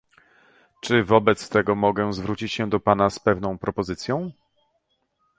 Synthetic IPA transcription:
t͡ʂɘvɔbɛt̪st̪ɛɡɔmɔɡɛzvɾut͡ɕit͡ɕɕɛ̃d̪ɔpanaspɛvn̪ɔ̃w̃pɾɔpɔzɘt̪sʲjɔ̃w̃

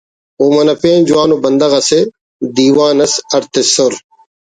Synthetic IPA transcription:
oːmɐnɐpeːnd͡ʒuwaːnobɐnd̪ɐɣɐse | d̪iːwaːnɐsɐɾt̪esoɾ

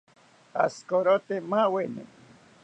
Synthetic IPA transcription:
a̰skoɾot̪emawenḛ

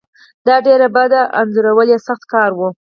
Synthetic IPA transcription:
d̪ɑɖeɾabad̪aʔa̰nzʊɾawəljesaxt̪kɑɾwu

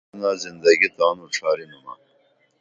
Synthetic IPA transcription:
naːzind̪ɐɡit̪aːnuʈ͡ʂʰaːɾimuna̰

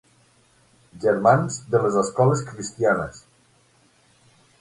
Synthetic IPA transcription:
ʒəɾmanzd̪ələzəskɔləskɾist̪ianəs

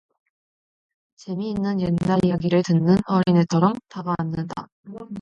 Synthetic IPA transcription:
t͡ɕe̞miːnːɯnjenːaɾijaɡiɾɯɭtɯnːɯnʌɾine̞t͡ɕʰʌɾʌmtabaːnːɯnda̰

